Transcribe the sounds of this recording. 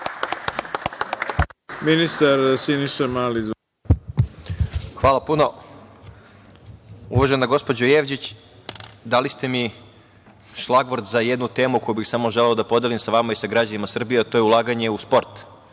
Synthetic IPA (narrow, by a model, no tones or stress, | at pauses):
minist̪aɾsiniʃemaːliz | xʋaːlˠapuno̞ | ṵʋoʒenaɡo̞spo̞d͡ʑojeʋd͡ʑit͡ɕ | d̪alist̪e̞mi | ʃlˠaɡʋoɾd̪zajed̪nut̪e̞ːmuko̞jubixsamo̞ʒeleod̪apo̞d̪elimsaʋamaisaɡɾad͡ʑanimasr̩bijeat̪ojeulˠaːɡaɲe̞uspo̞ɾt̪